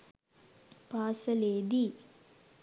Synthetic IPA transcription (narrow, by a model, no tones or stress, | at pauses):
paːsəleːd̪i